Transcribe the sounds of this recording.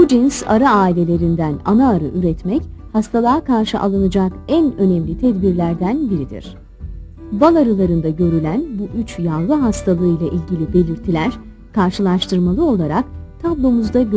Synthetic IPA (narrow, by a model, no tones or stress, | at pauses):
bud͡ʒinsa̰ɾaaːilʲe̞lʲe̞ɾind̪æna̰naːɾɯ̰ʔyɾɛt̪mɛc | hast̪ʰalˠaːkʰaɾʃɯʔa̰lˠanɯd͡ʒakænø̞nɛmlʲit̪ʰɛd̪biɾlʲæɾd̪ænbiɾid̪ḭɾ̝̥ | balˠaɾɯlˠaɾɯnd̪aɟø̞ɾylʲænbuʔyt͡ʃjalˠɯɦast̪ʰalˠɯɯjlˠaʔilʲɟilʲibe̞lʲiɾt̪ʰilʲæɾ̥ | kʰaɾʃɯlˠaʃt̪ʰɯɾmalˠɯo̞lˠaɾakt̪ʰablˠo̞muzd̪aɟ